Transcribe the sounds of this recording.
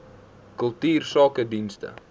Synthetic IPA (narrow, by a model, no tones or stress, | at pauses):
kɵlˠtyːrsɑːkədinstə̰